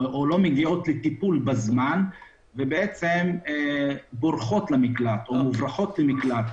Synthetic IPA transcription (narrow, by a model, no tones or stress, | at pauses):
olo̞meɡio̞t̪let̪ipulbazman | vebee̞t͡sem | bo̞ʁχo̞t̪lamiklat̪omuvʁaχo̞t̪lemiklat̪